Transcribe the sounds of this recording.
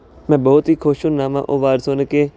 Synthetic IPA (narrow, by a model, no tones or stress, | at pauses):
mɛ̃ːbɔːʊt̪ɦiːkʰoːʃunnaːmã̰ːʔoːʋaːɾsoːnəkeː